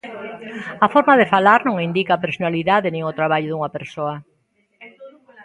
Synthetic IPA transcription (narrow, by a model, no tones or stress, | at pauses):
ɐfɔɾmaðefalaɾnõŋind̪ikaːpeɾsonaliðaðɪnĩŋʊt̪ɾaβ̞aʎʊðuŋɐpeɾsoɐ